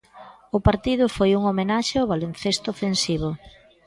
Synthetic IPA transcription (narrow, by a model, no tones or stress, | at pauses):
ʊpaɾt̪iðʊfojuŋomenaʃeaʊβalen̟θest̪ʊːfensiβʊ